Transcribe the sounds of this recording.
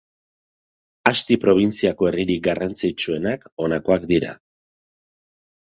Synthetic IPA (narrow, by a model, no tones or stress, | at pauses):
ast̪ipɾo̞β̞int͡siako̞eriɾik̚ɡarant͡sit͡ʃue̞nako̞nako̞akd̪iɾa̰